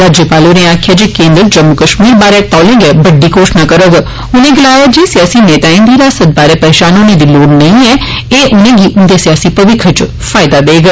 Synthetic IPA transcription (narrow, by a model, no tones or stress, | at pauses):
ɾaːd͡ʒjəpaːloːnẽːaːkʰɪjad͡ʒeːkẽːnd̪ɾəd͡ʒəmːʊkəʃmiːɾbaːɾɛːt̪ɔːlẽːŋɡeːbəɖːiːkoːʃnaːkəɾəɡ | ʊnẽːɡəlaːjad͡ʒeːsɪjaːsiːneːt̪aːĩːnd̪iːɾaːsət̪̚baːɾɛːpɛːt͡ʃaːnoːnẽːd̪iːloːɽnəĩɛː | eːʔʊnẽːɡiːʔʊnd̪esɪjaːsiːpəʋɪkʰːət͡ʃ | fʰaːɪd̪aːd̪eːɡ